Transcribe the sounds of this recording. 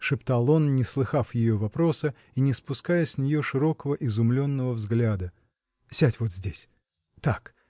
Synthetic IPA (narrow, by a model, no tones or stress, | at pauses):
ʂɨpt̪alˠonnʲɪslˠɨxafjɪjo̞vɐpɾo̞sə | inʲɪspʊskajəsʲnʲɪjo̞ʂɨɾo̞kəvəʔɪzʊmlʲo̞nːəvəvzɡlʲad̪ə | sʲatʲvo̞t̪zʲdʲesʲ | t̪ak